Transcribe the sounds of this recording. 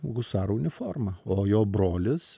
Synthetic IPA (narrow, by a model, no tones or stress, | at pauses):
ɣʊsɑːɾʊnʲɪfoɾmɐoːjoːbɾoːlʲɪs